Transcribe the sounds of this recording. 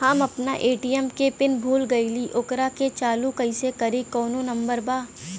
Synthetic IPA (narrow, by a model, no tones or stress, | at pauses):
ɦaːmɐpna̰ʔeːʈijɛmkepɪnbʱuːlɡɐiliʔʊkɾaket͡ʃaːlukɐɪsekɐɾekɔːnõnɐ̃mbəɾbaː